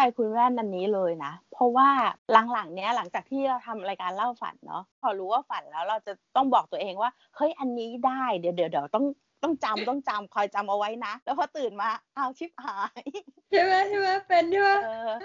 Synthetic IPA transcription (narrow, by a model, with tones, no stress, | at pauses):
ka˧jkʰu˧nwɛː˥˩nʔa˧nːiː˦˥lɤː˧jna˦˥pʰɔ˦˥waː˥˩la˩˦ŋla˩˦ŋni˦˥ɐla˩˦ŋt͡ɕaː˨˩k̚t̪ʰiː˥˩ɾa˧wt̪ʰa˧mɾaː˧jkaː˧nla˥˩wfa̰˨˩˦nːɔ̰˦˥pʰɔː˧ɾuː˦˥waː˥˩fa˨˩nlɛː˦˥wɾa˧wt͡ɕa˨˩t̪ɔ˥˩ŋbɔː˨˩k̚t̪u˧ɐʔeː˧ŋwaː˥˩ | hɤ˦˥˩jʔa˧nːiː˦˥daː˥˩jdi˨˩˦wdi˩˦wdi˨˩ə˦wt̪ɔ˥˩ŋ | t̪ɔ˥˩ŋt͡ɕa˧mt̪ɔ˥˩ŋt͡ɕa˧mkʰɔː˧jt͡ɕa˧mʔa˧wa˦˥jna˦˥lɛː˦˥wpʰɔː˧˩t̪ɯː˨˩nmaː˧ʔa˧˩wt̪ʰi˦˥˩p̚haː˩˦j | a˧˩maː˦˥tʰi˥˩ma˧˥˩pe˧ndu˥˩˧ɤː˧